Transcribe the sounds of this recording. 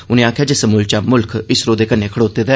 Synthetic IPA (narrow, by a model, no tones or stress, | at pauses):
ʊnẽːaːkʰjaːd͡ʒesəmuːlt͡ʃaːmʊlkɪsɾoːd̪eːkənːeːkʰəɽoːt̪eːd̪ɛː